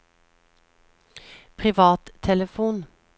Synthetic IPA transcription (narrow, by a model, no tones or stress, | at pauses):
pʰʁɪʋɑːt̪t̪ʰɛləfuːn